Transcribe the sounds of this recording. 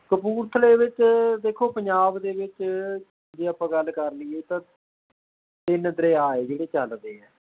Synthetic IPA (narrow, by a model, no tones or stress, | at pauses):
kəpuːɾt̪ʰleːʋɪt͡ʃd̪eːkʰoːpəɲd͡ʒaːbd̪eːʋɪt͡ʃ | d͡ʒeːaːpãːɡəlːkəɾlieːt̪ãː | t̪ɪnd̪ɾeːaːeːd͡ʒeːɽeːt͡ʃəld̪eːɛː